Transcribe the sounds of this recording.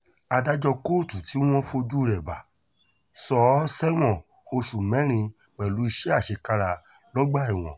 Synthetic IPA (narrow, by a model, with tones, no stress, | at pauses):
a˧da˦d͡ʒɔ˧ko˦˨tu˨ti˨˦w̃ɔ̃˦fo˧d͡ʒu˦˧ɾɛ˨ba˨ | sɔ˦sɛ˦w̃ɔ̃˦˨ | o˧ʃu˨mɛ̃˨˦ɾ̃ĩ˧ | k͡pɛ˨lu˨˦i˧ʃɛ˦a˦˨ʃe˧ka˧ɾa˧ | lɔ˦ɡ͡ba˦˨i˨w̃ɔ̰̃˨